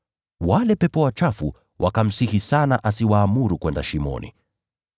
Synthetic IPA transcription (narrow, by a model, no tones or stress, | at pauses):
walɛpɛpɔwat͡ʃafṵ | wʔa̰kam̩sihisanaʔasiwaːmuɾukwɛndaʃimɔ̰nḭ